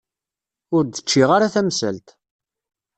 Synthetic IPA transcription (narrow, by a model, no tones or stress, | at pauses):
ʊɾd̪ə̥t͡ʃːiʁaɾaθæmsə̰lt̪